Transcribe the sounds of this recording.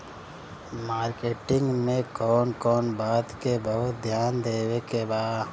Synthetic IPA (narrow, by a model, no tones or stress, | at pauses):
maːɾkeːʈɪ̃ŋɡmẽkɔːnkɔːnbaːd̪kebəɦʊt̪d̪ʱjaːnd̪eːwekebaːd̪